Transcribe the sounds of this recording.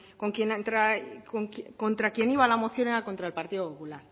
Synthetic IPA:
ko̞ŋkjennt̪ɾakoŋkko̞nt̪ɾakje̞niβalamo̞θjo̞neɾakont̪ɾaelpaɾt̪iðopopulaɾ

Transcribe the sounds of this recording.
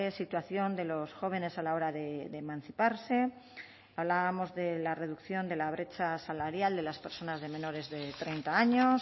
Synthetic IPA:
esit̪waθjo̞nd̪e̞lo̞sxo̞β̞e̞ne̞salao̞ɾaðeðemãn̟θipaɾse̞ | aβlaβamo̞zðe̞lare̞ðukθjo̞nd̪e̞laβ̞ɾe̞t͡ʃasalaɾjald̪e̞laspeɾso̞nazðe̞mẽ̞no̞ɾe̞zðe̞t̪ɾe̞jnt̪aaɲo̞s

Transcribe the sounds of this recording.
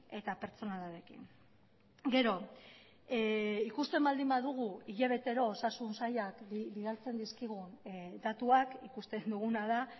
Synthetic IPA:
e̞t̪ape̞ɾt͡so̞nalaɾe̞kḭŋ | ɡe̞ɾo̞ | ikust̪e̞mbald̪imbaðuɣ̞uiʎaβ̞e̞t̪e̞ɾo̞ːsasunsajakbiðalt͡se̞nd̪iskiɣ̞und̪at̪uakikust̪e̞nd̪uɣ̞unaða

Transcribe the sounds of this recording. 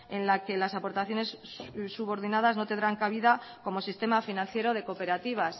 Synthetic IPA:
e̞nlake̞lasapo̞ɾt̪aθjo̞ne̞ssuβo̞ɾðinaðazno̞t̪end̪ɾaŋkaβiða | ko̞mo̞sist̪e̞mafinãn̟θje̞ɾo̞ð̞e̞ko̞pe̞ɾat̪iβ̞as

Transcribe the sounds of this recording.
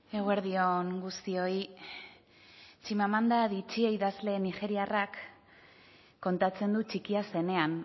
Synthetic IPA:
eɣwe̞ɾðio̞ŋɡust̪io̞i | t͡ʃimamand̪aðit͡ʃieiðazle̞nixe̞ɾiarak | o̞nt̪at͡se̞nd̪ut͡ʃikiase̞ne̞an

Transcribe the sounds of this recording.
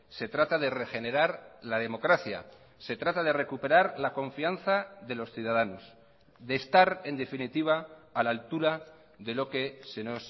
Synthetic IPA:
se̞t̪ɾat̪aðe̞re̞xe̞ne̞ɾaɾlað̞e̞mo̞kɾaθja̰ | se̞t̪ɾat̪að̞e̞re̞kupe̞ɾaɾlako̞ɱfianθaðe̞lo̞sθjuð̞aðanos | ðe̞ːst̪aɾe̞nd̪e̞finit̪iβ̞aːlalt̪uɾa | ðe̞lo̞ke̞se̞no̞s

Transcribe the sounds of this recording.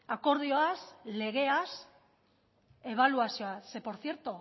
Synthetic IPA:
ako̞ɾð̞ioasle̞ɣ̞e̞as | e̞β̞aluasioase̞po̞ɾθjeɾt̪o

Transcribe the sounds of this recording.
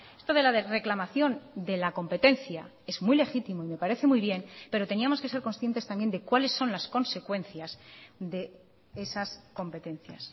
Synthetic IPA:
e̞st̪o̞ð̞e̞laðere̞klamaθjo̞nd̪e̞lako̞mpe̞t̪e̞nθja | e̞zmujle̞xit̪imo̞ime̞paɾe̞θe̞mujβje̞npe̞ɾo̞t̪e̞niamo̞ske̞se̞ɾko̞nsθjent̪e̞st̪ambje̞nd̪ekwale̞sːo̞nlasko̞nse̞kwe̞nθjazd̪e̞ | esasko̞mpe̞t̪ẽ̞n̟θja̰s

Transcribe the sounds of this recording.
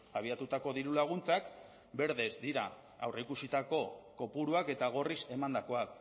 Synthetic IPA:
aβ̞iat̪ut̪ako̞ðiɾulaɣ̞unt͡sak | be̞ɾðe̞zd̪iɾa | awreikusit̪ako̞ko̞puɾuake̞t̪aɣ̞o̞rise̞mand̪ako̞ak

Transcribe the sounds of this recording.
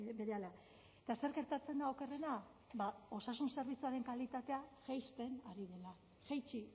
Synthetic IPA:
be̞ɾeala | et̪ase̞ɾɣe̞ɾt̪at͡se̞nd̪aoke̞re̞na | bao̞sasunse̞ɾβ̞it͡suaɾe̞ŋkalit̪at̪eaʝajspe̞naɾiðe̞la | ʝajt͡ʃi

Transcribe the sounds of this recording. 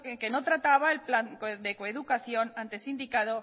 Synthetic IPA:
eke̞not̪ɾat̪aβ̞aelplankd̪ekoeðukaθjo̞nant̪e̞sind̪ikaðo

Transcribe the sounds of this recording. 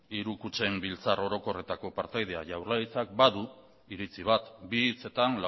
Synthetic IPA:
iɾukut͡se̞mbilt͡saro̞ɾo̞ko̞re̞t̪ako̞paɾt̪ajð̞e̞aʝawrlajt͡sak̚baðu | iɾit͡siβ̞at̪bit͡se̞t̪anla

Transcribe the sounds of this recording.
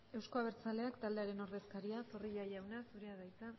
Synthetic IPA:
e̞wsko̞aβ̞e̞ɾt͡sale̞akt̪ald̪e̞aɾe̞no̞ɾðe̞skaɾiasoriʎajawnasuɾe̞aðajt͡sa

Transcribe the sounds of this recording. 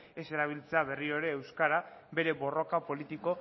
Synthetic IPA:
e̞se̞ɾaβ̞ilt͡se̞aβe̞rio̞ɾe̞ːwskaɾabe̞ɾe̞βo̞ro̞kapo̞lit̪iko̞

